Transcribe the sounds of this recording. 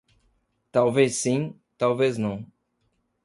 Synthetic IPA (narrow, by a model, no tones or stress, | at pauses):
t̪awvesĩ | t̪awveznɐ̃w̃